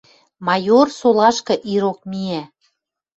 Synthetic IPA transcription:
mɑjorsolɑʃkɤ̆ʔiɾok̚miæ

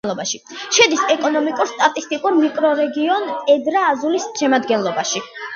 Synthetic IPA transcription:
lˠɔbaʃi | ʃɛd̪isɛkʼɔnɔmikʼuɾst̪ʼat̪ʼist̪ʼikʼuɾmikʼɾɔɾɛɡiɔnt̪ʼɛd̪ɾaːzulisʃɛmad̪ɡɛnlˠɔbaʃi

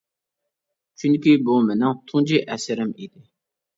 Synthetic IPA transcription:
t͡ʃʰyŋkʲibumɪnɪŋt̪ʰuŋd͡ʒiʔɛsɪɾɪmid̪ɪ

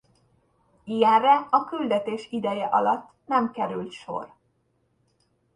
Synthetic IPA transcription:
iɛrɛɒkyld̪ɛt̪eːʃid̪ɛjɛʔɒlɒt̪ː | nɛmkɛɾylt̪ʃo̞̰r

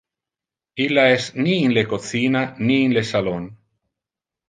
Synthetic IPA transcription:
ilaesniːnlekoθinaniːnlesalon

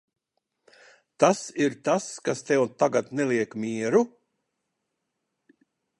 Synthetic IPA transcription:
t̪asiɾt̪askast̪ɛwt̪aɡat̪neliɛkmʲiɛɾu

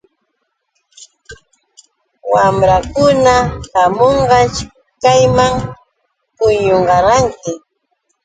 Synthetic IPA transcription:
wamɾakʊnahamoɴɢɑʃ | kajmaŋ | pʊjoɴɢɑɾɑŋkɪ

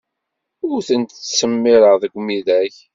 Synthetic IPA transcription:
ʊɾθənt̪səmːɪɾəʁðəɡʷmiðæç

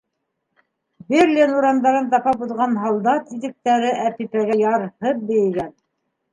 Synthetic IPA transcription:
beɾlʲinuɾɑnd̪ɑɾɤnt̪ɑpɑpuðʁɑnɦɑlˠd̪ɑt̪iðɘ̆k̚t̪æɾɘʔæpipæɡæjɑɾhɤp̚bɘ̆jɘ̆ɡæn

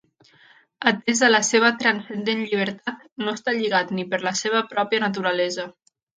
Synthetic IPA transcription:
ət̪ezðələseβ̞ət̪ɾənsənd̪enʎiβ̞əɾt̪at̪̚ | noest̪aʎiɣat̪nipəɾləseβ̞əpɾɔpiənət̪̬uɾəlɛzə

